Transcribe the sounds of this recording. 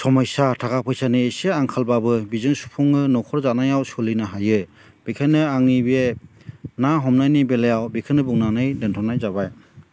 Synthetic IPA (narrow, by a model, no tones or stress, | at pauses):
sɔmɔjsatʰakapʰɯjsanɯeseaŋkʰalbabɯbizɯŋsu̥pʰɔŋɯnɔkʰɔɾzanajawsɔlinaɦajɯ | b̥ikʰɯnɯaŋibe | naɦɔmnajnibelajawbikʰɯnɯbuŋnanɯjdentʰɔnajzabaj